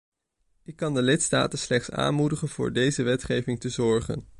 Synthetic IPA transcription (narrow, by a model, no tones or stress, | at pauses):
ɪkːɑndəlɪtsta̰ːtənslɛχtsa̰ːnmudəχənv̥ʊ̰ːɹdejzəʋɛtχejvɪŋtəzɔɹχə̰n